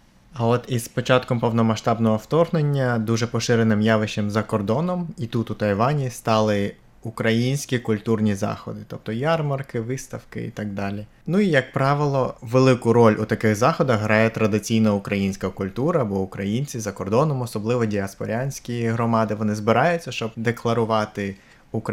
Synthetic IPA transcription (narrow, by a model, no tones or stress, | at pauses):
ɐɔt̪ispɔt͡ʃɑt̪kɔmpɔwnɔmɐʃt̪ɑbnɔɦɔwt̪ɔrɦnenʲːɐd̪uʒɛpɔʃɪɾenɪmjɑʋɪʃemzɐkɔrd̪ɔnɔmit̪ut̪ut̪ɐjʋɑnʲist̪ɑlˠɪ | ukɾɐjinʲsʲkʲikʊlʲt̪urnʲizɑ̰xɔ̰d̪ɪt̪ɔp̚t̪ɔjɑrmɐrkɪʋɪst̪ɐwkɪ̰ḭt̪ɑɡ̚d̪ɑlʲi | nuijɐk̚pɾɑʋɪlˠɔʋelˠɪkʊɾɔlʲʔut̪ɐkɪɣzɑxɔd̪ɐɣɦɾɑjɛt̪ɾɐd̪ɪt͡sʲijnɐʊkɾɐjinʲsʲkɐkʊlʲt̪uɾɐbɔʊkɾɐjinʲt͡sʲizɐkɔrd̪ɔnɔmɔsɔblˠɪʋɔdʲiɐspɔɾʲanʲsʲkʲiɦɾɔmɑd̪ɪʋɔnɪzbɪɾɑjʊt͡sʲːɐʃt͡ʃɔb̚d̪eklˠɐɾʊʋɑt̪ɪ | uk